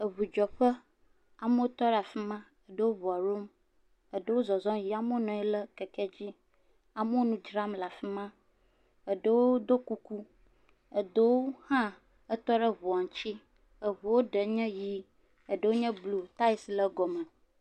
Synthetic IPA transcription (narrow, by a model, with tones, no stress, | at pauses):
ə˨βu˨d͡ʒɔ˨ɸə˦ | a˨mə˦wo˦t̪ɔ˦ɖa˨fi˦mã˦ | ə˨ɖə˦wo˦βɔ˨a˨ɾo˦m | ə˨ɖə˦wo˦zɔ˨zɔ̃˦ji˦a˦mə˦nɔ̃˨ɛ˦lə˦kɛ˨kɛ˦d͡ʑi˦ | a˨mə˦wo˦nũ˦d͡ʒɾa˦mla˨fi˦mã˦ | ə˨ɖə˦wo˦d̪o˦ku˦ku˦ | ə˨d̪ə˦wo˦hã˦ | ə˦t̪ɔ˦ɖə˦βu˨a˨ŋ˨t͡ɕi˦ | ə˨βu˨wo˦ɖə˨ɲɛ̃˦ji˦ | ə˨ɖə˦wo˦ɲɛ̃˦blu˨t̪a˦i˦slə˦ɡɔ˨mə̃˨